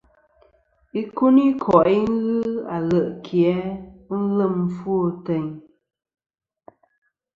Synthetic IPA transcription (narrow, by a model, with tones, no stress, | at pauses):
i˦ku˦ni˦kʰɔ˨ʔi˦ŋ˦ɣɨ˦a̰˨lə˨ʔkʰjɛ˨˦n̩˦lə˦˨m˦fu˦o˦tɛ˨ɲ